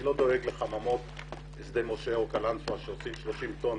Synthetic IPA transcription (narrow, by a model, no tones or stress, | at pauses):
lo̞d̪o̞eɡleχamamot | esd̪emo̞ʃeokalansoaʃeosimʃloʃimt̪o̞n